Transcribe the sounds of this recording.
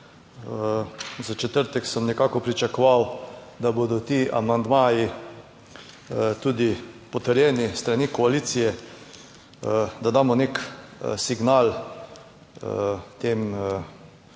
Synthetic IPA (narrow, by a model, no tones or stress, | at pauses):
zat͡ʃɛt̪əɾt̪ɛksəmnɛkaːkɔpɾit͡ʃakɔʋawd̪abod̪ɔt̪iːa̰mand̪maːji | t̪uːd̪ipɔt̪əɾjɛːnist̪ɾanikɔaliːt̪sijɛ | d̪ad̪aːmɔneksiɡnal | t̪em